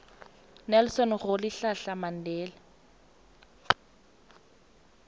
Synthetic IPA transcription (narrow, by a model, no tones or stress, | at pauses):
nɛlsɔnɣʊlɪɬaɬaman̩dɛːla